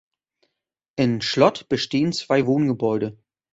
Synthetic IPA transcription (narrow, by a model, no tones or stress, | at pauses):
ʔɪmʃlɔtb̥əʃteːənt͡sv̥aɪvoːnɡəbɔʏɾə